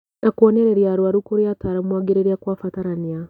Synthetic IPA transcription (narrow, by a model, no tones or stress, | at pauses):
nakwɔnɛɾɛɾjaɾwaɾukoɾjataːɾamwaɡeɾeɾiakwaːfataɾania